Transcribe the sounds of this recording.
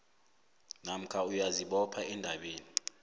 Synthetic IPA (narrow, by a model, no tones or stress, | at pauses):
nam̩kʰaujaziɓɔpʰaɛndʱaɓeːni